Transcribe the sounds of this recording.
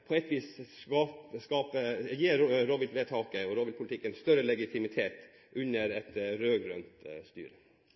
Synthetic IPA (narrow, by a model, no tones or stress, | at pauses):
pʰɔɛt̪ːʋiːsɑpskɑːpəjiːɾoːbɪt̪ʋeːt̪ʰɑːkəɔɾoːbɪlt̪pʰʊlɪt̪ɪkːənst̪œɾəlɛɡɪt̪ʰɪmɪt̪ʰeːt̪ | ʔʉnəɾɛt̪ɾøːɡɾœ̰nt̪st̪y̰ːɾə